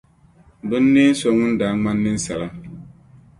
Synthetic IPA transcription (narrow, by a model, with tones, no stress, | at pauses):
dʊ˦nː˦eː˦n̩˦sɔ˦ŋʊ˦n˦daː˨˦ŋ͡ma˦nːɪ˦n˦sa˨la˦